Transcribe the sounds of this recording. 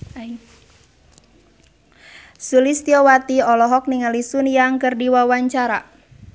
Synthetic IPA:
sulist̪iɔwat̪iɔlɔɦɔk̚niŋəlisunjaŋkərdiwawaɲt͡ʃaɾa

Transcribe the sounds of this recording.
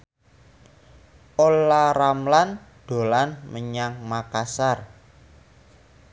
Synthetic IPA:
olaramlan | ɖ̪̥o̤lanməɲaŋmakasar

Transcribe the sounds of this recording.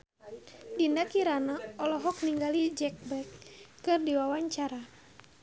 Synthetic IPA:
dindakiɾanaɔlɔɦɔk̚niŋɡalid͡ʒɛk̚bɛkː | ɨrdiwawaɲt͡ʃaɾa

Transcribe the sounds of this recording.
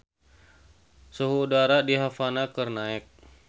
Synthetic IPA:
suɦuːdaɾadiɦafanakərnaɛk̚

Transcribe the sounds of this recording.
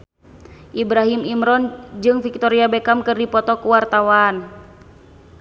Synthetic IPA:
ʔibɾaɦimimɾɔnd͡ʒɨŋfik̚t̪ɔɾiabɛkamkɨrdipɔt̪ɔkuwart̪awan

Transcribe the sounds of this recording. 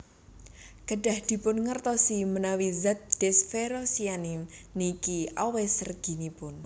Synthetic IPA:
ɡ̥əɖ̥a̤hd̪̥i̤pʊnŋərt̪ɔsimənawizat̪̚d̥ɛsfeɾosianimnikiʔɔwɛsərɡ̥i̤nipʊn

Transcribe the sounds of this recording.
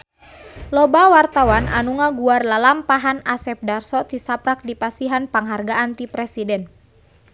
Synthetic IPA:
lɔbawart̪awanʔa̰nuŋaɡuarlalampaɦanasɛp̚darsɔt̪isapɾak̚dipasiɦanpaŋɦarɡaʔant̪ipɾɛsidɛn

